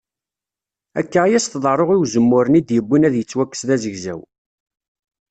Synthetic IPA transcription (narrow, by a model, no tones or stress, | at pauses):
æ̰kːæʁjæst̪ðˤɑɾˤoʁiwzəmːʊɾənid̪jəbːinæðjət͡sːwækːə̥sðæzəʝzæ̰w